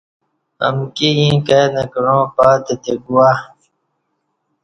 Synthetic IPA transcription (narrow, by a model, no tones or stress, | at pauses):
ɐ̰mkijĩːkeːnɐkɾõːpaːt̪et̪eɡuwaː